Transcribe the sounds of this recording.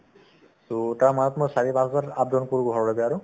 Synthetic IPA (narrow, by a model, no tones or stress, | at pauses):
sotaɹmanɔtmojsaɹipãsɔzatap̚dɔnkuɹuɡʱɔɹɔlobɛaɹu